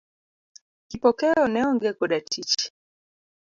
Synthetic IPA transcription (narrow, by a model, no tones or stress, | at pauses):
kipɔkɛɔnɛɔŋɡɛkɔɗatʰit͡ʃi̥